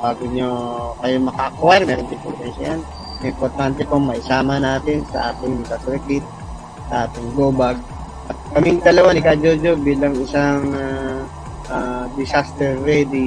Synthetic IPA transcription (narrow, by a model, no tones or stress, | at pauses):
baːɡʊɲokɐjomɐkakuaɾmɛːɾont̪ɪŋpo̰ɾt̪ɛnʃɐ̰jan | ʔɪmpoɾt̪ant̪ɛkoŋmɐʔɪsaːmɐnaːt̪ɪnsɐ̰ʔaːt̪ɪŋdɪsasɾɛkɪt̪̚ | sɐʔaːt̪ɪŋɡoːbaɡ̚ | ʔɐt̪̚kɐmɪŋt̪ɐlɐwanɪkad͡ʒod͡ʒobiːlɐŋɪsaŋ | ʔad̪ɪsast̪ɛɾːɛd̪i